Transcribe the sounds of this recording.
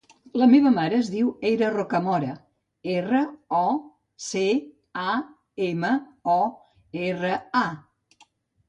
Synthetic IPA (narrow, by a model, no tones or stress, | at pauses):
ləmeβ̞əmaɾəːzðiwejɾərokəmɔɾə | erəɔ | se | a | eməɔ | erəa